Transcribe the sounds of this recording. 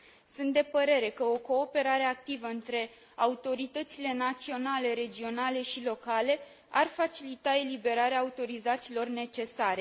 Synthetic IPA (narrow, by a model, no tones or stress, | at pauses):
sunt̪̚d̪e̞pəɾe̞ɾe̞kəo̞ko̞ːpe̞ɾaɾe̞ak̚t̪ivəɨnt̪ɾe̞ | aut̪o̞ɾit̪ət̪sile̞nat̪sio̞nale̞ɾe̞d͡ʒio̞nale̞ʃilo̞kale̞ | arfat͡ʃilit̪ae̞libe̞ɾaɾeaːut̪o̞ɾizat̪silo̞rne̞t͡ʃe̞saɾe̞